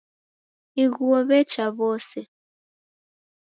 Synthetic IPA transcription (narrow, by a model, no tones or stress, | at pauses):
iɣuɔβɛt͡ʃaβɔsɛ